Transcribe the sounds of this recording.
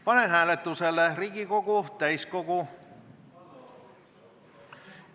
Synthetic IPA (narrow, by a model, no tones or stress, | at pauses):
pɑnenɦæːlet̪ːuselːeriɡikokut̪æiskoku